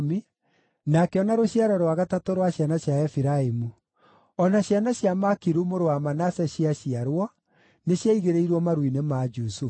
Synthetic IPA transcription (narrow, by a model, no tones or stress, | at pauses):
mi | nakeɔnaɾoɕiaɾɔɾwaɣatatoɾwaɕjanaɕjaɛfiɾaemu | ɔnaɕjanaɕjamakiɾumoɾowamanasɛɕiaɕiaɾwɔ | neɕjaiɣeɾeiɾwɔmaɾwinemad͡ʒusuf